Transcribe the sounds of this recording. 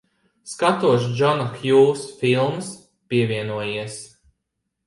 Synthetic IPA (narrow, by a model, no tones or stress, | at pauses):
skat̪uɔʃd͡ʒɔnaxjuːsfilˠms | piɛvʲiɛnuɔjiɛs